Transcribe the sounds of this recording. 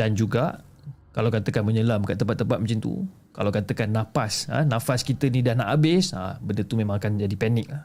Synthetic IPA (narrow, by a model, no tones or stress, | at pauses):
dand͡ʒuɡaʔ | kalawkat̪əkanməɲəlamkaʔt̪əmpat̪ːəmpat̪̚mũnt͡ʃint̪ṵ | ka̰lawkat̪əkanːãfasə̰nãfaskit̪ənidahnaʔabɪsa̰bəndət̪umẽmãŋakand͡ʒadipɛnɪk̚lah